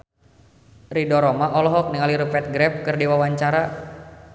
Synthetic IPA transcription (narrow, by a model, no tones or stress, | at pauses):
ridɔɾɔmaʔɔlɔɦɔk̚niŋaliɾupɛt̪̚ɡɾɛp̚kɨrdiwawaɲt͡ʃaɾa